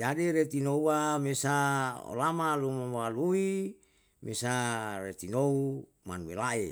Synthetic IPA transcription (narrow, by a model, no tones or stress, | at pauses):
d͡ʒadiɾet̪inouamesao̰lamalumamwalui | mesaret̪inou | ma̰nwḛlae